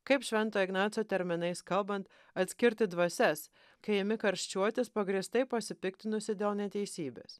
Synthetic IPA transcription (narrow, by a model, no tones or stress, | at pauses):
kɐɪpʃʲʋʲɛnˑt̪oːɪɡnɑːt̪soːt̪ʲɛɾʲmʲɪnɐɪskɐlˠbɐnt̪ | ɐt̪ʲsʲkʲɪɾʲt̪ʲɪd̪ʋɐsʲɛs | kɐɪɪmʲɪkɐɾʲʃʲt͡ʃʲuɔt̪ʲɪspɐɡɾʲist̪ɐɪpɐsʲɪpʲɪkt̪ʲɪnʊsʲɪd̪ʲeːlˠnʲɛt̪ʲɛɪsʲiːbʲḛːs